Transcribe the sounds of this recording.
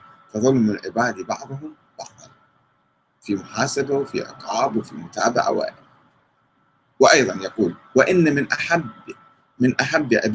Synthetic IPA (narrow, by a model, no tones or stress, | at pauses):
fɑðˤʊlmːɪlʕɪbaːd̪ibɑʕd̪ˤʊɦʊm | bɑqd̪ˤɑl | fimʊħaːsabawɪfḭʔɑ̰q̪ɾɑːbwɪfimʊt̪a̰ːba̰ʕa̰wa̰ːʔɪ | wɪʔɑjðˤɑnjɑquːlwɪʔɪnːamɪnʔaħab | mɪnʔaħabːʕɪ̰b